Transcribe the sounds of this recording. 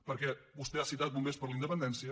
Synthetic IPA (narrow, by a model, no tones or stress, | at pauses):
pəɾkɛβust̪ɛasit̪at̪̚bumbespəɾləind̪əpənd̪ɛnsiə